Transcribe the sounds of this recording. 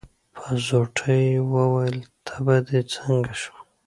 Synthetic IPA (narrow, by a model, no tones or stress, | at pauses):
pʰəzoʈʰəjwəwajəlt̪ʰḁbad̪et͡səŋɡaʃu̥